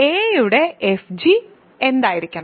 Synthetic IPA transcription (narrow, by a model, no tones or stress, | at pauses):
eːjuɽeefd͡ʑi | end̪aːjiɾikʲːɐɳɐ